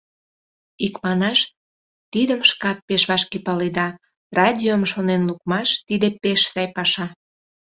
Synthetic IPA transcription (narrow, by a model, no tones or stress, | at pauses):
ikmɑnɑʃ | t̪id̪əmʃkɑt̪̚peʃβɑʃkepɑled̪ɑ | rɑdʲiomʃonenlukmɑʃt̪id̪epeʃsɑjpɑʃɑ